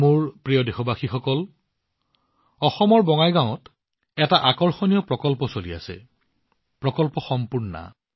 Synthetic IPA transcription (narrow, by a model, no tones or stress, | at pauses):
muɹpɹijɔdexɔbaxixɔkɔl | ɔxɔmɔɹbɔŋajɡãʊɔt | ɛtaʔakɔɹxɔnijɔpɹɔkɔlpɔsolia̰sɛ̰ | pɹɔkɔlpɔxɔmpuɹnna̰